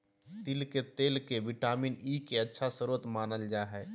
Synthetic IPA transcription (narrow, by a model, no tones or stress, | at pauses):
t̪ilket̪eːlkeʋɪʈaːminiːkeətːʃʰasəɾuːət̪maːnəld͡ʒaːɦɛː